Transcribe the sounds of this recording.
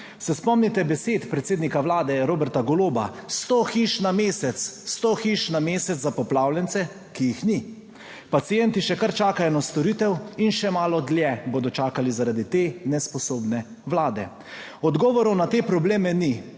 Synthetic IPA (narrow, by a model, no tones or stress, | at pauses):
sɛspɔmnit̪ɛbɛseːt̪pɾɛt̪seːd̪nikaʋlaːd̪ɛɾoːbɛɾt̪aɡɔloːba̰st̪oxiʃnameːsɛt̪sst̪oxiʃnameːsɛzapɔplaːwlɛnt̪sɛ | kijixni | pat̪sijɛnt̪iʃɛkaɾt͡ʃaːkajɔnast̪ɔɾiːt̪ɛwinʃɛmaːlɔd̪ljɛboːd̪ɔt͡ʃaːkalizaɾad̪it̪eːnɛspɔsoːbnɛ | ʋlaːd̪ɛ | ɔd̪ɡɔːʋɔɾɔwnat̪eːpɾɔbleːmɛni